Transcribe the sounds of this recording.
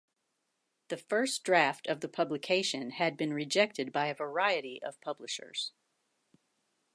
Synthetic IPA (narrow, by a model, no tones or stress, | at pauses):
ðɨfɜ˞sd̥ɹæftʌvðɨpʰʌblɨkʰeɪʃɨ̃nɨd̚bɨ̃nɹɨd͡ʒɛk̚tɨd̚baɪɨvə˞aɪɨɾiʔʌ̰v̥pʰʌblɨʃə̰˞z̥